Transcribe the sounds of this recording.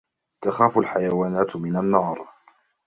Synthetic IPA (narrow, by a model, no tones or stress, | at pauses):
t̪axaːfʊlħajawaːnaːt̪mɪnanːɑːɾˤ